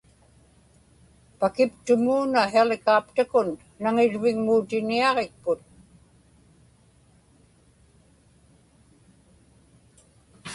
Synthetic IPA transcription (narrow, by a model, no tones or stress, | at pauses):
pakɪpt̪ʊmuːnaɦelɪkaːpt̪akʊnː | aŋɪɻvɪŋmuːt̪ɪniɑʁek̚pʊt̪̚